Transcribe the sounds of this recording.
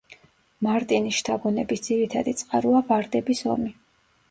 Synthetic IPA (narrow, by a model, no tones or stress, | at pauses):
maɾt̪ʼiniʃt̪ʰaɡunɛbisd̪ziɾit̪ʰad̪it̪sʼqʼa̰ɾuavaɾd̪ɛbisɔ̰mi